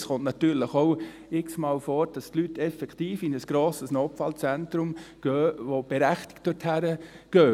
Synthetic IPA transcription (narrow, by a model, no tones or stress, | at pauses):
sχɔntnɑt̪yːɾləχoʊ | ɪksmɑːlfɔːɾd̥ɑstlytɛfɛkt̪iːfɪnəsɡ̥ɾoːsəsnoːpfɑːlt͡sɛnt̪ɾʊmɡ̥øːʋob̥ɛɾæχtɪ̥kt̚d̥ɔthæɾəɡ̥øː